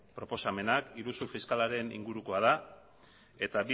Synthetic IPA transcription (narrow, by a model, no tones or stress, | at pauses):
pɾo̞po̞same̞nakiɾusufiskalaɾe̞nḭŋɡuɾuko̞að̞a | e̞t̪aβi